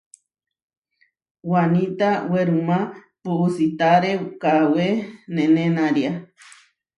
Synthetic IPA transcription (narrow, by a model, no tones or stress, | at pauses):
wanĩt̪aweɾumã | puusit̪aɾekawenẽnẽnãɾja